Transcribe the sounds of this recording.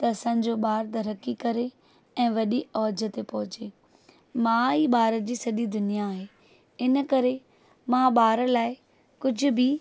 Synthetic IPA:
t̪ɐɐsã̆ːd͡ʑoɓaːɾt̪ɐɾɐkːikɐɾe | ɛ̃ːʋɐɗiɔːd͡ʑət̪epɐɦʊt͡ɕeː | mãiːɓaːɾəd͡ʑiːsɐɗid̪ʊnijaːɦeː | ɪnəkɐɾe | mãɓaːɾəlaːɪ | kʊd͡ʑʱʊ̆bɪ

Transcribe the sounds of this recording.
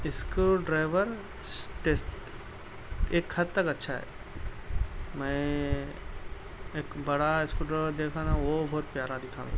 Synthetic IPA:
ɪskuɖɾaːɪʋəɾ | ʈeːsʈ | eːkxɐd̪t̪ɐkɐtːʃʰaɦɛ̰ː | mɛ̃ | eːkbɐɽaɪskuɖɾaːɪʋəɾd̪eːkʰãːd̪ʱaʋobɔːt̪pjaːɾad̪ɪkʰã̰ː

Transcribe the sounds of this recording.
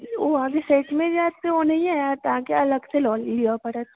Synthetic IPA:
oʋãkeseːʈmẽd͡ʒaːt̪eʋonɐɦĩaːjat̪akeɐləɡselɔːlːijapɐɾɛt̪

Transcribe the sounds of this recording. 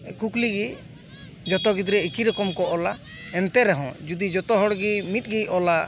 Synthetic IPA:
kukliɡi | d͡ʒɔt̪ɔɡid̪ɾɛikiɾɔkɔmkɔʔɔla | ɛnt̪ɛɾɛɦɔ̃d͡ʒud̪id͡ʒɔt̪ɔɦɔɽɡimit̪̚ˀɡiʔɔla

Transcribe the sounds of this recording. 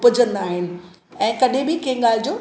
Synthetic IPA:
pəd͡ʑə̃nd̪aːɦɪnɪ̆ | ɛ̃ːkɐɗẽbɪkɐ̃ɪ̃ɠaːl̤ɪd͡ʑoː

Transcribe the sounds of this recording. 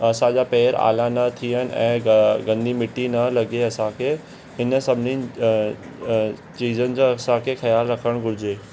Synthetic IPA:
ɐsãd͡ʑapɛːɾa̰ːlanɐt̪ʰiənɪ̆ʔɛ̰̃ːɡɐ̃nd̪ʱimɪʈːinɐlɐɡeɐsãkʰe | ɦɪnsɐbʱɪnin | t͡ɕiːzənɪ̆d͡ʑoɐsãkʰexɐjaːlɾɐkʰəɽ̃ɡʱʊɾɪd͡ʑeː

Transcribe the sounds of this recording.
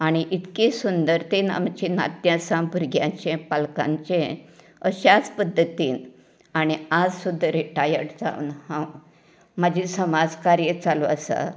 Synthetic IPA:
aɽ̃iʔit̪kisund̪əɾt̪ena̰mt͡ɕina̰t̪jãsãbʱuɾɡʱjãt͡ɕẽpalkã̰ɲt͡ɕẽ | əɕat͡spəd̪ʱːət̪iːn | aɽ̃iad͡zsud̪ʱːəɾiʈajəɾʈd͡zã̰unhã | mad͡ʑʱĩsəmad͡zkaɾjet͡saloəsa̰

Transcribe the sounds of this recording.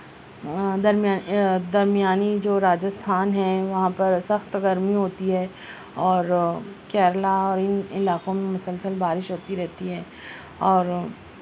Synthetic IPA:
d̪ɐɾmaːd̪ɐɾmɪjaːnid͡ʒoːɾaːd͡ʒəst̪ʰaːnɦɛʋɐɦãpɐɾsɐxt̪ɡɐɾmiɦoːt̪iɦɛ | ɔːɾkɛːɾlaɔːɾɪnɪlaːkõmẽmʊsəlsəlbaːɾɪʃɦoːt̪iɾɛɦt̪iɦɛː | ɔːɾ

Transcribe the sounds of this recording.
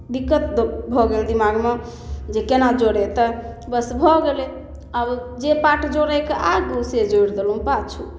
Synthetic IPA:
d̪ikːət̪bʱɔɡeld̪imaɡme | d͡ʒekenad͡ʒoɽet̪əbəsbʱɔɡelɛ | əb | d͡ʒepaʈd͡ʒoɾɛkeʔaɡused͡ʒojɾd̪elũpat͡ʃʰu

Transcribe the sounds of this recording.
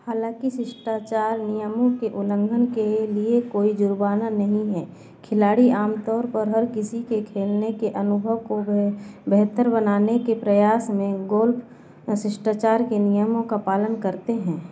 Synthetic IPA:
haːlãːkisɪʃʈaːt͡ʃaːɾnijəmõkeʔʊlə̃ŋɡʱənkeliekoːid͡ʒʊɾbaːnanɐɦĩɦɛ̃ː | kʰɪlaːɽiaːmt̪ɔːɾpəɾɦɐɾkɪsikekʰeːlnekeʔɐnʊbʱəʋkobɛɦt̪əɾbənaːnekepɾɐjaːsmẽɡoːlpʰ | sɪʃʈaːt͡ʃaːɾkenijəmõkapaːlənkəɾt̪eɦɛ̃ː

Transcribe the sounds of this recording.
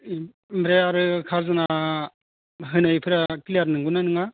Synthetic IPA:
mɾeaɾɯkʰazɯna | ɦɯnɯjpʰɯɾakiliaɾnɯŋɡɯnanɯŋa

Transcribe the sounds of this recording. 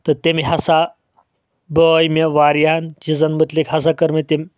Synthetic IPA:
t̪ɐɾt̪emiɦasa | bəjmeʋaɾjant͡ɕizanmət̪likɦɐs̬akəɾmit̪em

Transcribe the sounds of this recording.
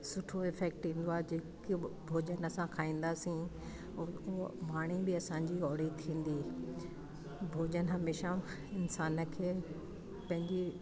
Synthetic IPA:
sʊʈʰoɪfɛːk̚ʈĩːn̆d̪oaːɦd͡ʑeːkbʱoːd͡ʑənəsãkʰaːĩːn̆d̪aːsĩ | maːɽ̃ibɪɐsãːɲd͡ʑiɔːɽit̪ʰĩːn̆d̪iː | bʱoːd͡ʑənəɦɐmeːʃã | ɪnsaːnə̆kʰeː | pɐ̃ɦɪ̃ɲd͡ʑi

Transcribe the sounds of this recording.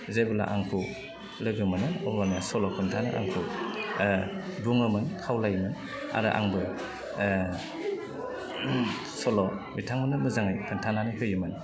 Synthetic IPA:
zebula̰ʔaŋkʰu | lɯɡɯmɯnɯɔbanasɔlɔkʰɯntʰana̰ʔa̰ŋkʰu | buŋɯmɯnkʰawlajmɯn | a̰ɾɯʔa̰ŋbɯ | sɔlɔbitʰaŋmɯnɯnɯzaŋajkʰɯntʰananɯɦɯjɯmɯn

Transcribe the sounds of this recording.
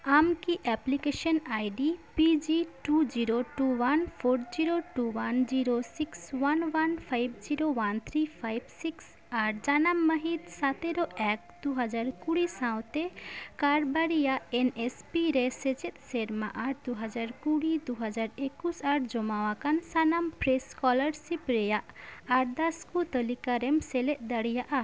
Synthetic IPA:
amkiʔɛplikeʃɔnajɖipid͡ʒiʈud͡ʒiɾoʈuwanpʰoɾd͡ʒiɾoʈuwand͡ʑiɾosikswanwanpʰajbd͡ʒiɾowant̪ʰɾipʰajbsiks | aɾd͡ʒanamːəɦit̪sat̪eɾoʔɛk̚d̪uɦad͡ʒaɾkuɽisãw̃t̪ɛkaɾbaɾijaʔɛnespiɾesɛd͡ʒɛt̪̚ˀseɾmaʔaɾd̪uɦad͡ʒaɾkuɽid̪uɦad͡ʒaɾekusaɾd͡ʒɔmawakansanampɾeskɔləɾsipɾɛjaʔaɾd̪askut̪əlikaɾɛmsɛlɛʔ̪̚d̪əɽijaʔa

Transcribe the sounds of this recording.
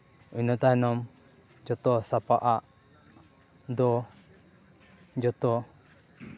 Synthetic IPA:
unɔt̪aɛnɔm | d͡ʒɔt̪ɔsapaʔaʔ | d̪ɔ | d͡ʒɔt̪ɔ

